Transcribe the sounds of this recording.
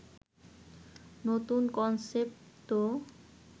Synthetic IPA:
not̪unkɔnsepʈo

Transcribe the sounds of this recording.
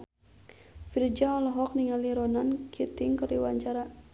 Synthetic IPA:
fird͡ʒaɔlɔɦɔk̚niŋaliɾɔnankʰit̪iŋkəriwaɲt͡ʃaɾa

